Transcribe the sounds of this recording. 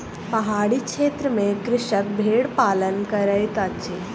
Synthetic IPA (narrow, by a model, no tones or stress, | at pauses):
pɐɦaːɽikʃeːt̪ɾəmẽkɾɪʃək̚bʱeːɽpaːlənkəɾəjt̪at͡ɕe